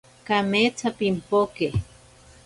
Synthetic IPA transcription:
kamet͡sapimpokeh

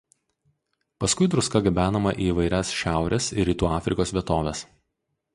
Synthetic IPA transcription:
pɐskʊɪd̪ɾʊskɐɡʲɛbʲæːnɐmɐʔiːʋɐɪɾʲɛsʃʲæˑʊɾʲɛsɪ̰ɾʲiːt̪uːɑːfʲɾʲɪkoːsʋʲiɛt̪oːʋʲɛs

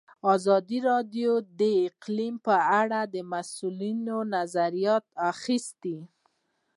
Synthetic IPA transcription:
ɑzɑd̪iɾɑɖjod̪əɪqlimpəaɽad̪əmasulinonazaɾijɑt̪̚axist̪i

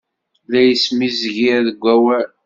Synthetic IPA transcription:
læjəsmizʝiɾðəɡʷːæwæɾ

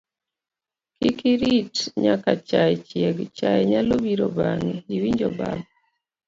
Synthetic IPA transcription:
kikiɾitɲakat͡ʃaɛt͡ʃiɛɡt͡ʃajɛɲalobiɾɔbaŋiiwiɲd͡ʒɔba̰bɔ

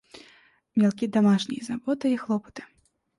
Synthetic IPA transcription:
mʲalˠkʲid̪amaʂnʲḭjzabɔt̪ɨixlˠɔpɐ̥t̪ɨ̥

